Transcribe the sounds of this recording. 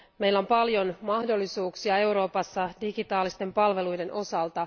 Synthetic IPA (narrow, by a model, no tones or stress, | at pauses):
me̞jlæompɑljo̞nmɑhdo̞lːisuːksiɑe̞wɾo̞ːpɑsːɑdiɡit̪ɑːlist̪e̞mpɑlʋe̞lujde̞nʔo̞sɑlt̪ɑ